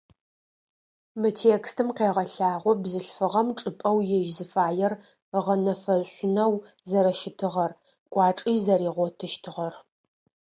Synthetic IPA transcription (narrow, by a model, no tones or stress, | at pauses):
mɨtʰeːkstʰɨmqeːʁɐɬaːʁʷɔbzɨɬfɨʁɐmʈ͡ʂʼɨpʼɐwjɛʒzɨfaːjɛr | ʁɐnɐfɐɕʷʊnɐw | zɐɾɐʃɪtʰɨʁɐr | kʷʼɑːʈ͡ʂʼiːzɐɾiːʁʷɔtʰɨʃtʰɨʁɐr